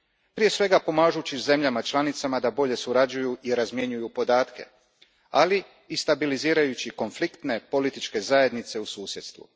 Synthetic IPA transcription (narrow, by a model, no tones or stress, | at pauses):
pɾije̞sʋe̞ɡapo̞maːʒut͡ɕize̞mʎamat͡ʃlˠanit̪samad̪abo̞ʎe̞suɾad͡ʒujuʔiɾazmje̞ɲujupo̞d̪aːt̪ke̞̰ | ali | ist̪abiliziːɾajut͡ɕiko̞nflikt̪ne̞po̞lit̪it͡ʃke̞zaje̞d̪nit̪se̞usuːsje̞d̪st̪ʋṵ